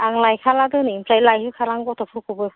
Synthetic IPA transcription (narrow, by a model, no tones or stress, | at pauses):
aŋlajkʰaladɯnimpʰɾajlajhɯkʰaɾaŋɡɔtʰɔpʰuɾkʰubɯ